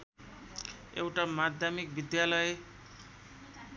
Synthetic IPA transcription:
ḛwʈamad̪ʱjamik̚bid̪jalʌe

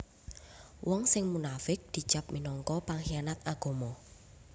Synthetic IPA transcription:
wʔɔŋsɪŋmunafɪk̚d̪̥i̤̥t͡ʃap̚minɔŋkɔpaŋhianat̪̚aɡ̥o̤mɔ

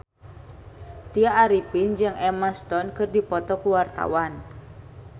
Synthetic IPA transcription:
t̪iaʔːɾipind͡ʒɨŋʔɛmast̪ɔnkɨrdipɔt̪ɔkuwart̪a̰wan

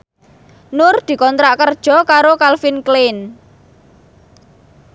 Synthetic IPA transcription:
nʊrd̪̥i̤kɔnt̪ɾaʔkərd̥ʒ̥ɔ̤kaɾokalfinklɪn

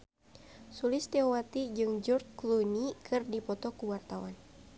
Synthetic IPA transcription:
sulɪst̪iɔwat̪id͡ʒɨŋd͡ʒɔrt̚klunikʰɨrdipɔt̪ɔkuwart̪awan

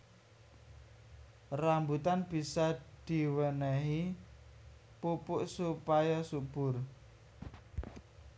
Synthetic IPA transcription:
rambut̪anb̥i̤sɔd̪̥i̤wənəɦi | pupʊʔsupajasub̥ʊ̤r

